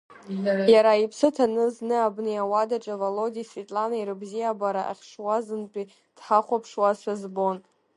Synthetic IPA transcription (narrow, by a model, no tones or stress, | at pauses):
jaɾaipʰsɨtʰanɨznɨabnɨawadaʈ͡ʂʼavolodisvetʼlanaiɾɨbzijabaɾaʔa̰χʲʂwazɨnt͡pʷʼi | d̥ħaχʷapʰʂwaʃʷᶣazbo̞n